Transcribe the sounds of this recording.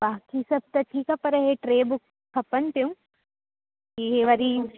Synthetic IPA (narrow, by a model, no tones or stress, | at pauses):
baːkisɐb̚t̪ɐʈʰiːkapɐɾɐɦeʈɾeːbʊkʰːɐpənt̪eũ | kiɦeʋɐɾi